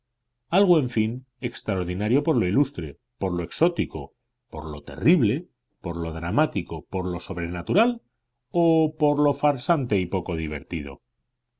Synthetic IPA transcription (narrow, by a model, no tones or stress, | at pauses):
alɣoe̞ɱfin | e̞kst̪ɾaoɾð̞inaɾjo̞po̞ɾlo̞ilust̪ɾe̞̰ | po̞ɾlo̞e̞kso̞t̪iko̞̰ | po̞̰ɾlo̞t̪e̞̰riβ̞le̞ | po̞ɾlo̞ðɾamat̪iko̞po̞ɾlo̞so̞βɾe̞nat̪uɾal | opo̞ɾlo̞faɾsant̪e̞ipo̞ko̞ð̞iβ̞e̞̰ɾt̪ið̞o̞̰